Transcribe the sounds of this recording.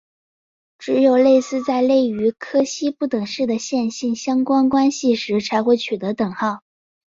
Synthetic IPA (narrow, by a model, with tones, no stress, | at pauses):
ʈ͡ʂɻ̩˧˥jo˨˩ʊle˥˧ɪsɹ̩˥˧t͡sa˥˧ɪle˥˩ɪy˧˥kʰɤ˥ɕi˥pu˥˩t̪ɤ˨˩ŋʂɻ̩˥˩d̪ə˩ɕjɛ˥˧nɕi˥˩nɕjɑ˥ŋkwa˥nkwa˥nɕi˨˩ʂɻ̩˧˥t͡sʰa˧˥ɪxwe˥˩ɪt͡ɕʰy˨˩t̪ɤ˧˥t̪ɤ˨˩ŋxɑ˥˩ʊ